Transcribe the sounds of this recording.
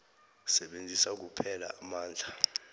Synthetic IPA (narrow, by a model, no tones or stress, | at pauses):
sɛɓend͡zʱisak̬upʰɛla̰ʔːmaːnd͡ɮʱa